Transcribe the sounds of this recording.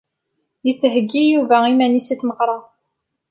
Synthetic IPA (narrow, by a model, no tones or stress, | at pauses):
jət͡sːɦəɡːijuvæimænisæθməqɾˤɑ